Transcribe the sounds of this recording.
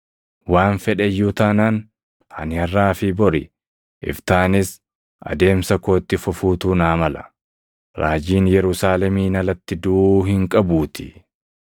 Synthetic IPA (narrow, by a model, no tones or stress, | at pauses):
waːnfɛᶑɛjːʊt̪ɐnan | hɐ̰nɪɐrːaːfɪbɔɾɪ | ʔɪ̰ft̪aːnɪs | ʔɐ̰d̪e̞ːmsɐkoːt̪ːɪfʊfuːt̪uːnaːmɐlɐ | ɾaːd͡ʒiːnjɛɾʊsaːlɛmiːnɐlɐt̪ːɪd̪uːhɪŋkʼɐbuːt̪ʰɪ̥